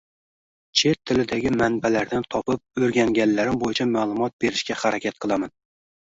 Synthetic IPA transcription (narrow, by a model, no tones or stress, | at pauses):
t͡ʃʰet̪ʰːɪlɪd̪æɡʲɪmanbælæɾd̪ant̪ʰɒpɪp̚ɵɾɡʲaŋɡʲanlːæɾɪmbojɪt͡ʃʰɛmaːlˠʊmɒt̪̚beɾɪʃkʲahaɾɛkʲʰat̪qʰɨlˠaman